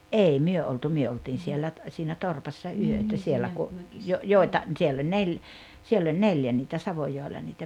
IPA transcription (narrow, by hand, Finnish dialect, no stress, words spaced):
ʔei myø oltu myø oltiːn sielːæ t siːnæ torpɑsːɑ yøtæ sielːæ ku jo joˑi̞tɑ sielː olʲ nel sielː olʲ neljæ niːtæ sɑʋojoˑelːɑ niːtæ